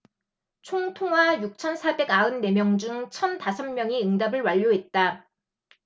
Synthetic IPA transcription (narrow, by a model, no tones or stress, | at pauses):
t͡ɕʰoŋtʰoŋɦwajuk̚t͡ɕʰʌnsʰabe̞ɡaɯnːe̞mjʌŋd͡ʑuŋt͡ɕʰʌntasʰʌmmjʌŋiɯŋdabɯɭwaʎːoɦe̞t̚t͈a